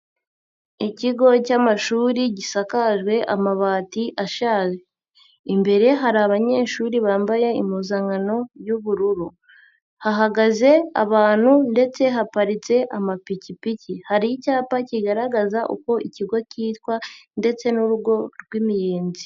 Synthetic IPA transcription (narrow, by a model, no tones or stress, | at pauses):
iciɡo̞camaʃuːɾiɟisakaʒɡwe̞ʔa̰maβaːtiʔaʃaːʒe | imbe̞ɾe̞ɦaɾaːβaɲe̞ːʃuɾiβaːmbaje̞imuzaŋano̞juβuɾuɾu | haɦaɡaze̞a̰βaːn̥hunde̞t͡se̞ɦapaɾit͡se̞ʔamapicipicihaɾijicaːpaciɡaɾaɡazaʔṵko̞ʔiciɡo̞ciːt̪kwande̞t͡se̞nuɾuɡo̞ɾɡwimijeːnzi